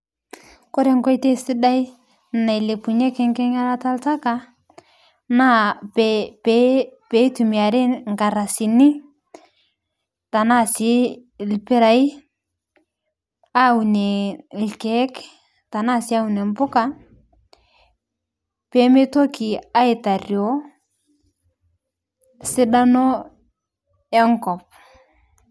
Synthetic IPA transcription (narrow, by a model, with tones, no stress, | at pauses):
kɔ˦ɾɛ˦ŋkɔ˦jtɛ˦sɪ˦da˦i˦ | na˨jle˨pu˨ɲɛ˦kɛ˦ŋkɛ˦ŋa˦ɾa˦ta˦lta˦ka˨ | na˦pɛpɛ˦pe˨˦tu˨mi˨a˨ɾɛ˦ŋka˨ɾa˨si˨nɪ˦ | ta˨na˦sɪ˨˦˨lpɪ˦ɾa˨i˦ | a˦u˨nɛ˨lkɛ˦k | ta˨na˦sɪ˦a˦u˨nɛ˨m˦pʊ˦ka˨ | pɛ˨˦me˦to˦ki˨a˦i˨ta˨ɾjo˦ | sɪ˦da˦nɔ˦ | ɛ˦ŋkɔ˨p̚